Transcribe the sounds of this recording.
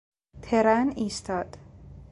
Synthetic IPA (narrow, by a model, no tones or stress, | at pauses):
t̪ʰeɾæniːst̪ʰɒːd̪̥